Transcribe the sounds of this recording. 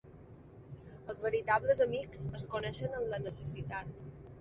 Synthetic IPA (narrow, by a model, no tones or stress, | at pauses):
əlˠzβəɾit̪aβləzəmikz̥əskunɛʃənəmlənəsəsit̪at̪